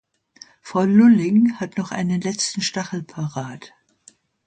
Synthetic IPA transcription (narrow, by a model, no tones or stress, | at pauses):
fɔlːʊlɪŋhatnɔχʔa̰ɪnənlɛt͡stn̩ʃtaχl̩pʰaʁaːt